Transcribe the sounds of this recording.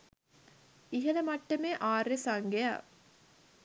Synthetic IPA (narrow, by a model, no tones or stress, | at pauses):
iɦɐlɐmɐʈːɐmeʔaːɾːesaŋɡea̰ː